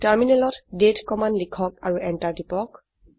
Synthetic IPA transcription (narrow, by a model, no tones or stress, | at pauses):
taɹminɛlɔtdetkɔmanlikʰɔkaɹuʔɛntaɹtipɔk